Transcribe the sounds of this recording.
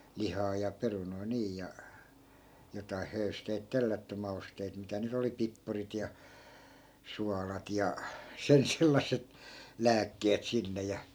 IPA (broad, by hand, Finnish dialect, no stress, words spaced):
lihɑː jɑ perunoi̯ niː jɑ jotɑi høysteit telːætːy mɑusteit mitæ nyt oli pipːurit jɑ suɑlɑt jɑ sen selːɑsˑet læːkːeːt sinːe jɑ